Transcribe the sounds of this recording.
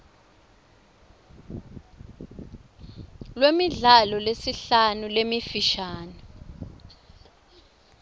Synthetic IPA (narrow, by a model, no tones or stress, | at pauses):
lwemiɮalɔlesiɬanulemifiʃaːnɔ